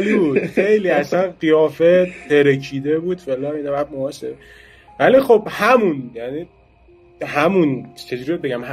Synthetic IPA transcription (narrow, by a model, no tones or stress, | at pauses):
libud̥̪xejliːæsænɢijɒːfet̪ʰeɾekʰiːd̪ebuːd̪felɒinɒvæd̪moɒseɾ | væliːxobhæmunjæniː | hæmunt͡ʃʰe̞d͡ʒuɾied̪beɡæmh